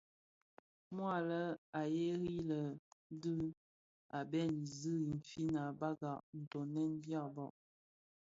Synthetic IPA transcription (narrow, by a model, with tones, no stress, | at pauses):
mwa˦˨lə˦a˨je˦ɣi˦lə˨˦dɨ˦ | a˨bɛ˦ni˨zɨ˦i˨m̩˨fi˦na˨ba˦ɡa˨ʔn̩˨to˨nɛ˦n˦dja˦˨bɔ˨ʔ